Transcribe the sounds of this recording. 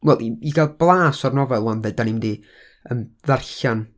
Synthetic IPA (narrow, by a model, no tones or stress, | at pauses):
wɛlˠʔiiɡalˠblˠaːsɔrnɔvɛlˠwɔnðədanimdi | əmðarɬan